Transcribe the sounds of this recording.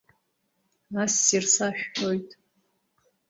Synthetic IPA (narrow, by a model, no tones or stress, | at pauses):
nasːirsaʃᶣħo̞jtʼ